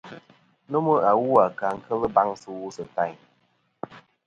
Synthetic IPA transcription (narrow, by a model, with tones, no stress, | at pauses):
nɨ˦mɨ˦a˨wu˦a˨ka˨ŋ̩˦kʰə˦lɨ˦ba˦ŋsɨ˦wu˦sɨ˨ta˦˨